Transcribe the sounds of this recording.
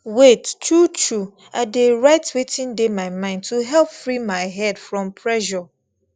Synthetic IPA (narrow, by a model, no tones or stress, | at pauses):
wett͡ʃʰut͡ʃʰu | adeɹaɪtwetʰĩndemãɪmãɪ̃ndtʰuɦɛlpfɾimãɪɦɛdfɹɔ̃mpʰɹɛʃɔ